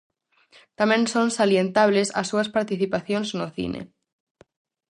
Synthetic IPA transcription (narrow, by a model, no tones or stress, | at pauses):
t̪amẽnsõnsaljent̪aβ̞lesa̰sːuɐspaɾt̪iθipaθjonznoθḭnḛ